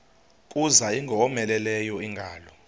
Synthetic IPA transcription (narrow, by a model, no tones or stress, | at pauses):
kʼuzaiŋɡʱɔmɛlɛlɛjɔiŋɡʱaːlɔ